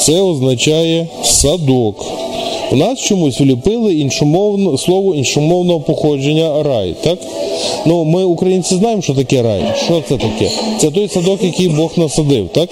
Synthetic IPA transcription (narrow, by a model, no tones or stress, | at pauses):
t̪sɛɔznɐt͡ʃɑjɛ | sɐd̪ɔk | wnɑst͡ʃɔmusʲʋlʲipɪlˠɪinʃʊmɔwnslˠɔʋʊinʃʊmɔwnɔɦɔpɔxɔd͡ʒenʲːɐɾɑj̰t̪ɑk | numɪʊkɾɐjinʲt͡sʲɪznɑjemʃt͡ʃɔt̪̬ɐkɛɾɑ̰j̰ʃt͡ʃɔt̪sɛt̪ɐkɛ̰t̪sɛt̪ɔjsɐd̪ɔkjɐkijbɔxnɐsɐd̪ɪwt̪ɑk